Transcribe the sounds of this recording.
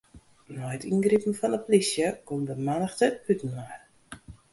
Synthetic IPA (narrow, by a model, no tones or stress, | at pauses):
nɔjətinɡripn̩fɔnəplisjəkomdəmanəxtəpytən̩war